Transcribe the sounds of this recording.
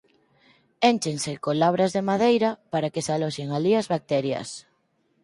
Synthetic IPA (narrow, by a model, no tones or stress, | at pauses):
ent͡ʃeŋsekolaβɾazðemað̞ejɾapaɾakesaloʃeŋaliazβak̚t̪ɛɾja̰s